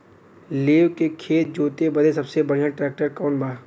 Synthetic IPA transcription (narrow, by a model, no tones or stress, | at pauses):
leːwkekʰeːt̪̚d͡ʒoːt̪ebɐd̪esɐbsebɐɽ̤ijãʈɾɛːk̚ʈəɾkɔːnbʱaː